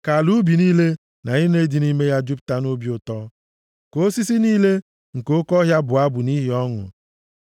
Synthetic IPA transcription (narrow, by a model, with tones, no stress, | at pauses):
ka˨lu˦bi˨niː˦le˦ | na˨ɲi˦ne˦di˨ni˦me˦ja˦d͡ʒu˦p̚ta˦no˦bi˦ʊ˨tɔ˦ | ko˦si˦si˦niː˦le˦ | ŋ̩˨ko˦kɔ˦ɦja˦bʊ˨a˦bʊ˨ni˦ɦi˨˦ɔ˦ŋʊ̰˨